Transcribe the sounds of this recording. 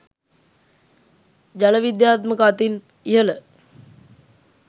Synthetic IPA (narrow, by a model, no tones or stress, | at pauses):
d͡ʑaləʋid̪jaːt̪məkəat̪in | ijələ